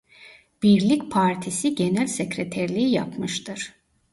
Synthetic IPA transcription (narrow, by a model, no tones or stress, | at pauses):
b̥iɾlʲicʲpʰaɾt̪ʰisiɟenælʲsecɾet̪ʰæɾlʲiija̰pmɯʃt̪ʰɯɾ̥